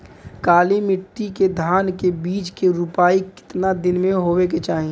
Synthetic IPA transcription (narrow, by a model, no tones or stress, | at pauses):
kaːlimɪʈːiked̪ʱaːnkebiːt͡ʃkeɾʊpaːikɪ̥t̪nad̪ɪnmẽɦoːwek̬et͡ʃaːɦẽː